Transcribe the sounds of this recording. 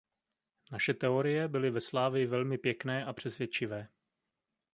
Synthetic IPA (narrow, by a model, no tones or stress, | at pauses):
naʃɛt̪ɛo̞ɾɪjɛbɪlɪvɛslaːvɪjɪvɛlmɪpjɛknɛːʔapr̝̥ɛsvjɛt͡ʃɪvɛː